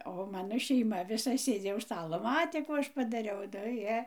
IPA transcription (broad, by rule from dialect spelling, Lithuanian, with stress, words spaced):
oː ˈmɑːnoː ʃʲɛɪˈmɐ ʋʲɪˈsɐ ˈsʲeːd͡zʲɪ ʊʃ ˈstɑːlˠoː ˈmɑːtʲeː ˈkuː ˈɐʃ pɐdɐˈrʲɛʊ nʊ ˈjiɛ